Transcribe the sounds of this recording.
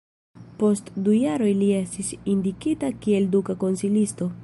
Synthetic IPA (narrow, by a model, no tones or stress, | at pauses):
po̞stdujaɾo̞jlie̞stisindikitakie̞ldukako̞nsilisto̞